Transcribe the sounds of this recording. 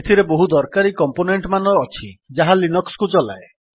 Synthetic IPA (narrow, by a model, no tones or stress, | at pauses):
t̪ʰiɾeboɦud̪ɔɾkaɾikɔmponeɳʈmanɔːt͡ʃʰid͡ʒaɦalinɔkskut͡ʃɔla̰e